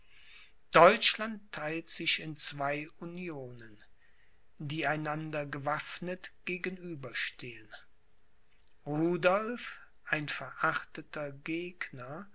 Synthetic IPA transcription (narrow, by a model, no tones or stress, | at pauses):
d̥ɔʏt͡ʃlantʰːaɪltz̥ɪʃɪnt͡sv̥aɪunjoːnən | diːaɪnandɐɡəvafnətɡ̥eːɡənyːbɐʃtʰeːən | ʁuːdɔlf | ʔaɪnfɛɐʔaχtətʰɐɡeːknɐ